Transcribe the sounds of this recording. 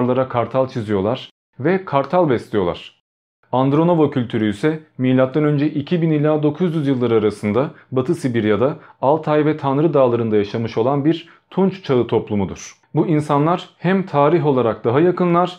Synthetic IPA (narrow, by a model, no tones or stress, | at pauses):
ɾlˠaɾakʰaɾt̪ʰalˠt͡ʃʰizijo̞lˠaɾ̥ | vɛkʰaɾt̪ʰalˠbɛst̪lʲijo̞lˠa̰ɾ̥ | and̪ɾo̞novocʰylʲt̪ʰyɾyjysɛmijlʲat̪̚ːanø̞nd͡ʒɛʔicʰibinilʲaːd̪o̞kʰuzjyzjɯlˠːaɾaɾasɯnd̪abat̪ʰɯsibiɾjad̪aalˠt̪ʰajvɛt̪ʰanɾɯd̪aːlˠaɾɯnd̪ajaʃamɯʃo̞lˠanbiɾ | t̪ʰunt͡ʃt͡ʃʰaɯt̪ʰo̞plˠumud̪uɾ̥ | buinsanlˠaɾ̥hæmt̪ʰaːɾiɦo̞lˠaɾak̚d̪aɦajakɯnlˠaɾ̥